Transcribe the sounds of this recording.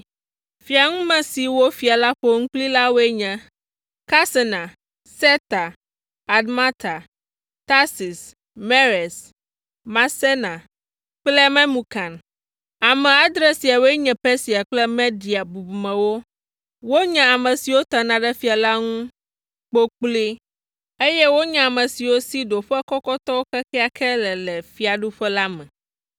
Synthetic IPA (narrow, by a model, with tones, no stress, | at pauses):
fi˨a˨ŋũ˦mɛ̃˨si˨wo˦fi˨a˨la˦ɸo˦ŋũ˦k͡pli˦la˦wo˦e˦ɲɛ̃˨ | ka˦sɛ˨nã˨ | sɛ˦t̪a˨ | a˨dmã˦t̪a˨ | t̪a˦si˨s | me˦ɾɛ˨s | mã˨se˦nã˨ | k͡plɛ˦mɛ̃˦mũ˨kã˨n | a˨mɛ̃˨a˦d̪ɾɛ˦si˨a˨wɛ˦ɲɛ̃˨pɛ˦si˨a˨k͡plɛ˦me˦di˨a˨bu˨bu˨mɛ̃˨wo˦ | wo˦ɲɛ̃˨a˨mɛ̃˨si˨wo˦t̪a˨nã˨ɖɛ˦fi˦a˨la˦ŋũ˦ | k͡po˦k͡pli˦ | e˦jɛ˦wo˦ɲã˨a˨mɛ̃˨si˨wo˦si˦ɖo˨ɸɛ˦kɔ˦kɔ˦t̪ɔ˦wo˦kɛ˦kɛ˦a˨kʰɛ˦lɛ˨lɛ˨fi˦a˨ɖu˦ɸɛ˦la˦mɛ̃˨